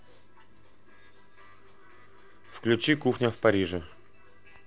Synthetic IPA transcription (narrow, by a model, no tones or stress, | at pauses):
fklʲʉt͡ɕikuxnʲəfpɐɾʲiʐɨ